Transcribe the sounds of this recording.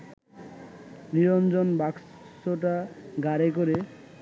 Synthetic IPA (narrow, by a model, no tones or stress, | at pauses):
niɾond͡ʑonbak | soʈaɡaɾekoɾe